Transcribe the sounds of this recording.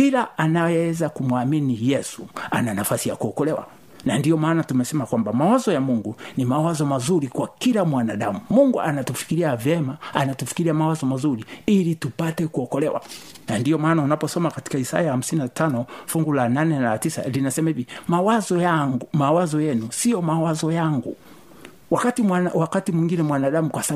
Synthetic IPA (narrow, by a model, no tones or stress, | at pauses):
pilaʔanajɛɛzakumuaminijɛsua̰nanafasijakuɔkɔlɛwa̰ | nandiɔmaːnatumɛsɛmakwambamawazɔjamuŋɡunimawazɔmazuɾikwakilamwanaɗamumuŋɡuʔanatufi̥kiɾiavjɛmaanatufi̥kiɾiamawazɔmazuɾiilitupatɛkuɔkɔlɛwa̰ | nandiɔmaːnaunapɔsɔmakati̥kaisa̰jaham̩sininatʰanɔfuŋɡulananɛnatisa̰linasɛmaivimawazɔjaŋmawazɔjɛnusijɔmawazɔjaŋɡu | wakatiawakatimwiŋɡinɛmwanaɗamukwasa